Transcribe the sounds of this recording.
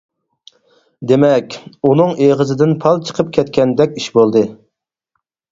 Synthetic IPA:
d̪emɛkʲunɨŋeʁəzɪd̪ɪnpʰɑlˠt͡ʃʰə̥qʰəp̚kʲʰɛt̪̚kʲɛnd̪ɛkʲiʃbolˠd̪ɨ

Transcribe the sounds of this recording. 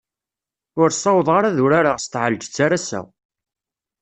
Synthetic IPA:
ʊɾsˤɑwðˤʁaɾaðʊɾaɾaʁst̪ʕald͡ʒt͡sːaɾasæ̰

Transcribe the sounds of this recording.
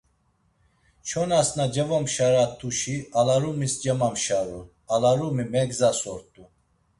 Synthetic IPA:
t͡ʃʰɔnasnad͡ʒɛvɔmʃaɾat̪ʰuʃialaɾumisd͡ʒɛmamʃaɾu | alaɾumimɛɡzasɔɾt̪ʼu

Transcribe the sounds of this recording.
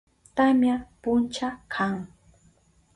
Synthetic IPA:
t̪amjapʊnt͡ʃakʰaŋ

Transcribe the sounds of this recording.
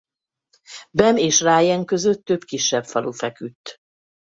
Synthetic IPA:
bɛmeːʃraːjɛŋkø̞zøt̪ːø̞bkiʃːɛbfɒlufɛkyt̪ː

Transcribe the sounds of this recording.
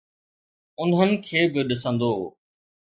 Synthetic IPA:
ʊnɦənɪ̆kʰeːbɪɗɪsə̃nd̪oː

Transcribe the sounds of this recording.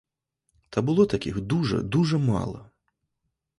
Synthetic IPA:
t̪ɐbɨlˠɔt̪akʲixd̪uʐɐ̰d̪uʐɐma̰lˠɐ̰

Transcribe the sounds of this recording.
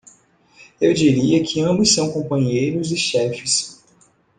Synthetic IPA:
ewd͡ʒiɾiɐkʰɪɐ̃bʊsːɐ̃w̃kõmpɐ̃ɲejɾʊzɪʃɛfɪs

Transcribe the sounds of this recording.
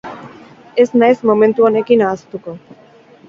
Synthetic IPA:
e̞znajsmomẽ̞nt̪uone̞kinaːst̪uko

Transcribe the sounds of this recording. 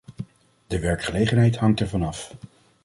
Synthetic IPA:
dəʋɛɹkχəlejχənɦɛjtɦɑŋtɛɹvɑnɑf

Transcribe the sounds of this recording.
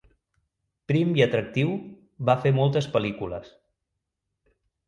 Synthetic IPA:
pɾimiət̪ɾək̚t̪iw | βafemɔlˠt̪əspəlikulə̰s

